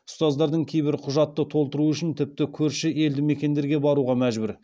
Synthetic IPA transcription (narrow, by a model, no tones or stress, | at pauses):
ʊ̥st̪ɑzd̪ɑɾd̪əɴkʲʰe̞jbɪɾqʰʊʒɑt̪ːət̪ʰo̞lˠt̪əɾuʏʃɪnt̪ʰɪp̚t̪ɪkʲʰɵɾʃɪʔe̞ld̪ɪme̞kʲe̞nd̪e̞ɾɡʲe̞bɑɾuʁɑmæʒbɪɾ